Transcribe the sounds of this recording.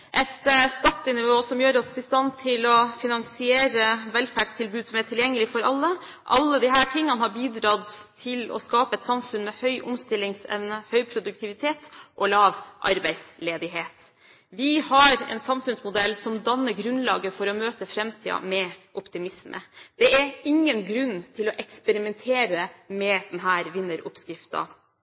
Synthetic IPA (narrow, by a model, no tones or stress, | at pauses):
ʔɛt̪skɑt̪ːɪnɪʋoːsɔmjøːɾɔsɪst̪ɑnːt̪ʰɪlɔfɪnɑŋsɪeːɾəʋɛlfæːɖst̪ʰɪlbʉːd̪sɔmæʈʰɪljɛŋːəlɪfɔɾɑlːə | ʔɑ̰lːəd̪ɪɦæːʈʰɪŋːənəhɑɾbiːd̪ɾɑːd̪t̪ʰɪlɔ̰skɑːpəɛt̪sɑmfʉnmɛhœʏʔʊmst̪ɪlːɪŋsɛ̰ʋnəhœʏpʰɾʊd̪ʉk̚t̪ʰɪʋɪt̪ʰeːt̪ʔɔlɑːʋʔɑ̰ɾbæɪsleːd̪ɪɦeːt̪ | ʋɪhɑɾɛ̰nsɑmfʉnsmʊd̪ɛlːsɔmd̪ɑnːəɾɡɾʉnlɑ̰ːɡəfɔɾɔmøːt̪əfɾɛmt̪ʰiːɑ̰mɛʔɔpt̪ɪmɪsmʔə̰d̪̥ɛæɾɪŋːənɡɾʉnːt̪ʰɪlɔʔɛkspɛɾɪmɛnt̪ʰeːɾəmɛd̪ɛnɦæːɾʋɪnːəɾʊ̰pskɾɪft̪ɑ̰